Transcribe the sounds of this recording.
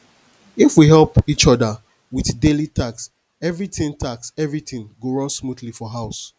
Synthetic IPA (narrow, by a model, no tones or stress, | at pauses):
ifwiɦɛlpit͡ʃɔdə | wiθdelitʰaks | ɛvɹitĩntʰaksɛvɹitĩŋɡoɹɔ̃nsmudlifɔɦaʊs